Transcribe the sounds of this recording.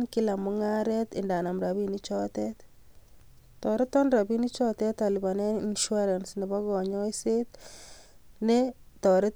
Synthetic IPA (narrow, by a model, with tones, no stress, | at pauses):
nkɪ˦la˨mʊ˦ŋa˦ɾɛt̪ɪ˨nda˨na˨mɾa˨βi˦ni˦t͡ʃɔ˦t̪ɛt̪ | tɔ˨ɾɪ˦t̪ːɔ˦nɾa˨bi˦ni˦t͡ʃɔ˦t̪ɛ˦t̪a˨li˨ba˨na˦inʃu˦a˦ɾɛ˨nsnɪ˨bɔ˦ɣɔ˨ɲɔ˦jset̪ | nɛt̪ɔ˨ɾɪ˦t